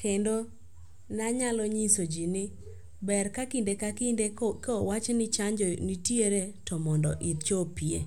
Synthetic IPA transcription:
kʰendo | naɲalɔɲisod͡ʒinɪ | bɛrkakindekakidekɔwat͡ʃnɪt͡ʃaɲd͡ʒɔnitjeɾetɔmɔndɔ̰ʔɪt̪t͡ʃopiḛ

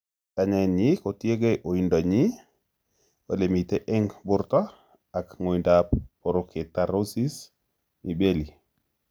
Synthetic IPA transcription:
taɲanjikotieɡeʔoindaɲi | olemiteʔeŋbuɾta | akŋojndappoɾoketaɾosis | nibeli

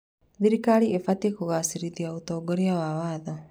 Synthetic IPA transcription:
ðiɾikaːɾiefat̪ekuɣaːsiɾiðiaut̪oːɡoɾiawaːwaːðo

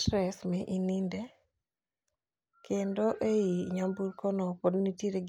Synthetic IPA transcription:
tɾɛsmɛʔininde | kendoʔeiɲambuɾkʰɔnɔpɔdnitjeɾeɡ

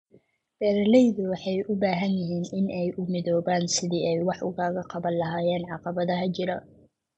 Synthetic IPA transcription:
b̥ɛːɾɐlɛjðʊwɑħɑjʔʊbaːɦɐnjɪɦiːnɪnʔɛjʔʊmɪðɔːβaːnsɪðiɛjwɑħʊ̰ɣaːɣɐqɑβɐnlɐɦaːjɛːnʕɑqɑβɐðɐɦɐt͡ʃɪɾɐ

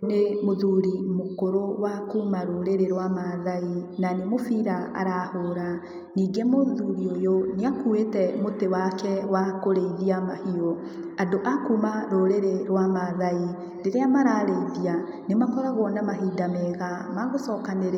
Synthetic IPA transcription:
nemoðuɾimokoɾowakuːmaɾoɾeɾeɾwamaðainanemofiɾaa̰ɾahoːɾa | niːɡɛmoðuːɾiojoneakuetɛmotewakɛwakoɾeðiamahio | adoʔakuːmaɾoɾeɾeɾwamaðai | ɾeɾeamaɾaɾeiðia | nemakɔɾaɣɔnamaɦiːdamɛɣamaɣosɔkaneɾ

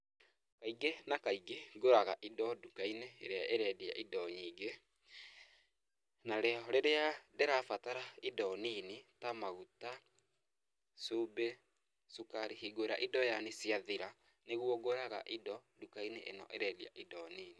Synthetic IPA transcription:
kaiɡenakaiɡeɡoɾaɣaʔidɔdukainḛːɾeaʔeɾɛdia̰ʔidɔɲiːɡe | naɾɛɔɾeɾeadeɾafataɾaidɔninitamaɣuta | sube | sukaɾihiɡoɾaʔidɔjanesiaðiɾa | neɣwɔɡoɾaɣa̰ʔidɔdukaineʔḛnɔ̰ʔeɾɛdia̰ʔidɔniːni

